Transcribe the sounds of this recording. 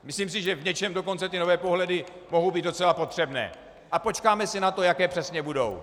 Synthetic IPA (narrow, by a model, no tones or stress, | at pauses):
mɪsliːms̬ɪʒɛvɲɛt͡ʃɛmdo̞ko̞nt͡sɛt̪ɪno̞vɛːpo̞ɦlɛdɪ | mo̞ɦowbiːd̪do̞t͡sɛlapo̞t̪r̥ɛbnɛ̰ː | ʔapo̞t͡ʃkaːmɛsɪnat̪o̞jakɛːpr̥ɛsɲɛbudo̞̰w